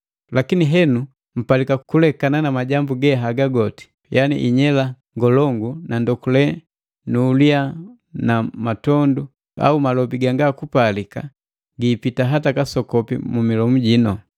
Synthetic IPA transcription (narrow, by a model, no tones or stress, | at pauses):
lakiniɦɛnu | m̩palikakulɛkananamaɟambuɡɛɦaɡaɡɔti̥ | jʔanḭʔiɲɛla | ŋɡɔlɔŋɡunandɔkulɛ | nuːlia | namatɔndu | a̰umalɔbiɡaŋɡakupalika̰ | ɡiːpitaɦatakasɔkɔpḭmumilɔmuɟinɔ